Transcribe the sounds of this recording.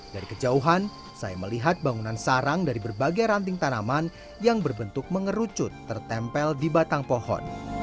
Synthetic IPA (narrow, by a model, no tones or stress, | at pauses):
d̥aɾikəd͡ʒauɦan | sa̰jaməliɦat̪̚baŋunansaɾaŋdaɾibərbaɡajɾant̪ɪŋt̪anaman | jaŋbərbənt̪ʊk̚məŋəɾut͡ʃʊt̪ːərt̪ɛmpɛldibat̪aŋpohɔ̰n